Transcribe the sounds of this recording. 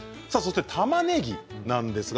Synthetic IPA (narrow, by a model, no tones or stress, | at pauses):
sasost̪et̪ʰamane̞ɡʲinãnd̪e̞sɨɡ